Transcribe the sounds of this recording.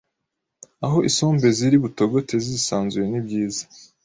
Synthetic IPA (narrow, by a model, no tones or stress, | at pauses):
aɦo̞ʔisoːmbe̞ziɾiβuto̞ɡo̞te̞zizisaːnzuje̞nibɟiːzḁ